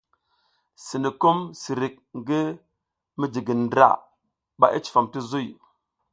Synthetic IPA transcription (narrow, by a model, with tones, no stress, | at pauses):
si˨ni˨ko˦msi˨ɾi˨k̚ŋɡi˦ | mi˦d͡ʒi˨ɡi˨n˨dɾa̰˦˨ | ɓa̰˨ʔi˦t͡ʃi̥˨fa˨mti˦zu˦˨j